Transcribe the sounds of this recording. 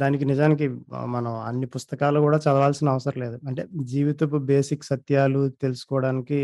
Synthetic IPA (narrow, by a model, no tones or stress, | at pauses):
d̪aːnikinid͡ʒaːnik̬imɐnɐmɐ̰nːipust̪ɐkaːlukuːɽaːt͡ʃɐd̪ɐʋaːlsinɐɐʋɐsɐɾɐmle̞ːd̪uɐɳʈe̞̰ːd͡ʒiːʋit̪ɐp̬ube̞ːsiksɐt̪jaːlut̪e̞lusu̥kɔːʋɐɽaːniki